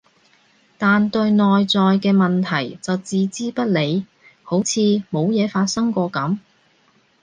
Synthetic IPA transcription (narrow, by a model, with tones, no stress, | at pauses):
t̪aː˨nt̪ɵ˧ɥnɔː˨jt͡sɔː˨jkɛː˧mɐ˨nt̪ʰɐ˨˩jt͡sɐ˨wt͡siː˨˧t͡siː˥pɐ˥t̚le˨˧j | ho˨˥wt͡sʰiː˧mo˨˧wjɛː˨˧faː˧t̚sɐ˥ŋkʷɔː˧kɐ˨˥m